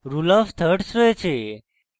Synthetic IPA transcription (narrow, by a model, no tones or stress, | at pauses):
ɾuləft̪ʰəʈsɾoet͡ʃʰe